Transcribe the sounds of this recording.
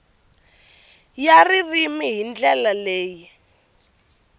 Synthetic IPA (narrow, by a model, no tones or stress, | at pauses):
jaririmiɦind͡ɮɛlaleːji